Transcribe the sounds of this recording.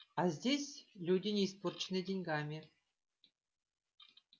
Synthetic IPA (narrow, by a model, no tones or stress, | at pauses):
ɑzʲdʲesʲlʲudʲinʲisport͡ɕnʲedʲenʲɡɑmʲe